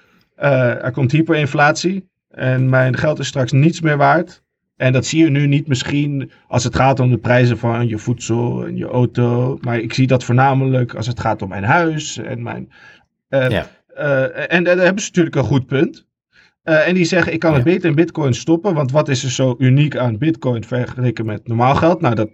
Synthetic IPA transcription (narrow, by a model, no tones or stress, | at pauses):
ʔəɛ̰ɹkɔmtɦiːɹpəɹɪnflaːtsi | ʔɛnmɛjnχɛlˠtɪstrɑksnitsmɪːɹʋaːɹt | ʔɛndɑtsijənynitmɪsχin | ʔɑ̰lˠsətχaːtɔmdəprɛjzəfɑnjəfutsɔlˠɛ̰njə̰ʔowtomaːɹɪksidɑtfoːɹnaːmələkɑ̰lˠsətχaːtɔmːɛjnɦœɥsɛ̰nmɛ̰jn | ʔɛnɦɛbənzənatyːɹləkənχut̚pɵnt | əɛndizɛχəɪkːɑnɦəd̚betəɪnbɪtkɔjnstɔpənʋɑntʋɑtɪsəz̥owʔynikaːnbɪtkɔjnfɛɹχəlejkənmɛtnɔɹmaːlˠχɛlˠtnawdɑt̚